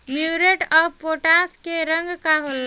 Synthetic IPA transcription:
miɾeʈəbpoʈaskeɾə̃ŋɡkaɦol

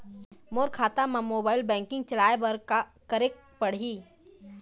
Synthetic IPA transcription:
moːɾkʰaːt̪amãmoːbaːɪlbɛ̃ːŋkɪ̃ŋɡ̚t͡ʃɐlaːebɐɾkɐɾeːk̚ | pɐɽ̤iː

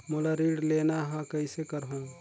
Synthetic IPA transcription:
molaɾiːɽleːnaɦãkəisekəɾɦõ

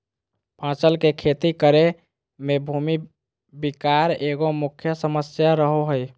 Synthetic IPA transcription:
pãt͡ʃəlkekʰet̪ikəɾe | mebʱumi | bikaɾeɡomukʰjəsəməsjaɾəɦoɦəj

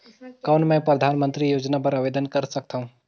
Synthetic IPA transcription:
kawnmẽpɾəd̪ʱaːnmə̃nt̪ɾijoːd͡ʒnap̬əɾaʋeːd̪ənkəɾsək̚t̪ʰaũ

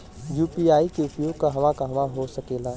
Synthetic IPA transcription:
juːpiaːikeʊpjoːɡ̚kaɦɐʋãkaɦɐʋãɦosɐkeːlaː

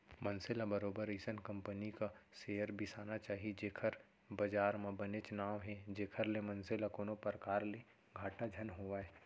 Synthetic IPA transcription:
mɐ̃nsɪlabɐɾoːbəɾiːsənkɐ̃mpənikaseːəɾbʱisaːnat͡ʃaːɦied͡ʒeːkʰəɾ | bɐd͡ʒaːɾmãbɐnet͡ʃnaːʋɦɛd͡ʒeːkʰəɾlemɐ̃nselakoːnopəɾkaːɾle | ɡʱaːʈad͡ʒʱɐnɦoːʋaɛ

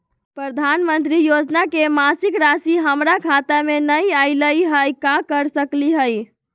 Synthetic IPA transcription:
pɾəd̪ʱanmənt̪ɾijod͡ʒnakemasikɾasiɦəmɾakʰat̪amenəjaɪləjɦəjkakəɾsəkliɦəj

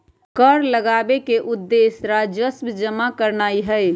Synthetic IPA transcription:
kəɾləɡaːbekeʔʊd̪ːesɾad͡ʒəsbd͡ʒəmakəɾnaːiɦə

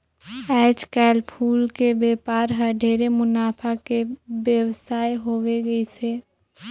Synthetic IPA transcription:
ɛːd͡ʒkɛːlpʰuːlkebeːpaːɾɦəɖʱeːɾemʊnaːpʰakebjəʋsaːjɦoweɡəiseː

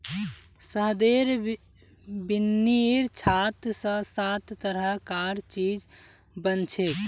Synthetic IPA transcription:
səɦd̪eɾ | binːiɾt͡ʃʰat̪sə̃sat̪ːəɾəɦkaɾt͡ʃid͡ʒ | bənt͡ʃʰek

